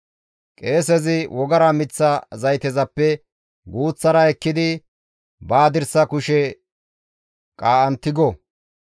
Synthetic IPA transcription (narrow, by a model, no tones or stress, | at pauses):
kʼe̞ːs̬ɛzɪwɔɡɐɾɐmɪt͡sːɐzɐjt̪ɛzɐpːɛ | ɡuːt͡sːɐɾɐɛkːɪd̪ɪ | baːd̪ɪɾsɐkʊʃɛ | kʼaːʔɐnt̪ːɪɡɔ